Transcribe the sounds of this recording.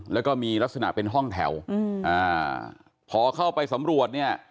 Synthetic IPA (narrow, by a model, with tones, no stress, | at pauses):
lɛː˦˥wkɔː˥˩miː˧la˦˥k̚sa˧na̰˨˩ʔpe˧nɦɔ˥˩ŋt̪ʰɛ̰˩˦wʔaː˧˩ | pʰɔː˨˩˦kʰa˥˩wpa˧jsa˩˦mɾu˨˩ət̪̚ni˥˩ɐ